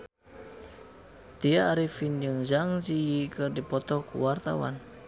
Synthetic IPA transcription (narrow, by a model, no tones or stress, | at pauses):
t̪iaːɾifind͡ʒɨŋd͡ʒaŋzijikɨrdipɔt̪ɔkṵwart̪a̰wa̰n